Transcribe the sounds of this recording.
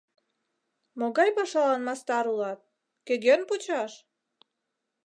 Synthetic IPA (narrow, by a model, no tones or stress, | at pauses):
moɣɑjpɑʃɑlɑnmɑst̪ɑɾulɑt̪̚ | kĕɡenput͡ɕɑʃ